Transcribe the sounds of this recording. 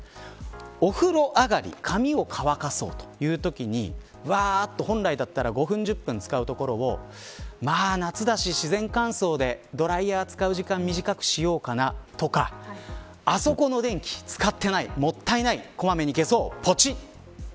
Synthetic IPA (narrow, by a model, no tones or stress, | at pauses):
o̞ɸɯ̟ɾo̞ʔaɡaɾʲḭkʰamʲio̞kʰaβakaso̞̰ːt̪o̥jɯ̟ːt̪o̞kʲiɲ̟ḭ | βaːt̪ːo̞ɦõ̞nɾaid̪at̪ːaɾaɡo̞ɸɯ̟̃ɲ̟d͡ʑɨpːɯ̟̃nt͡sɨ̥kaɯ̟t̪o̞ko̞ɾo̞o | maːnat͡sɨd̪aɕiɕizẽ̞ŋkãɰ̃so̞ːd̪e̞d̪o̞ɾaiaːt͡sɨ̥kaɯ̟ʑikãmmʲːiʑikakɯ̟̥ɕijo̞ːkanat̪o̞kaː | so̞ko̞no̞d̪ẽ̞ŋkʲi̥t͡sɨ̥kat̪ːe̞naimo̞t̪ːainaiko̞mame̞ɲ̟ike̞so̞ːpʰo̞t͡ɕi